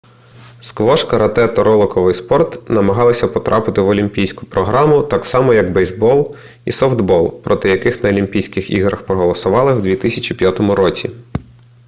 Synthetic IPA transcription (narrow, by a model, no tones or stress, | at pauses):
skʋɔʃkɐɾɐt̪ɛt̪ɔɾɔlˠɔkɔʋɪjspɔrt̪nɐmɐɦɑlˠɐsʲɐpɔt̪ɾʔɑpɪt̪ɪʋɔlʲimʲpʲijsʲkʊ̥pɾɔɦɾɑmʊt̪ɑksɑmɔjɐɡbɛjzbɔlˠ | ḭsɔwd̪bɔlˠpɾʔɔt̪ɪjɐkɪxnɐɔlʲimpʲijsʲkɪxḭɦɾɐxpɾɔɦɔlˠɔsʊʋɑlˠɪwd̪ʲʋʲit̪ɪsʲɐt͡ʃipʲjat̪ɔmʊɾɔt͡sʲḭ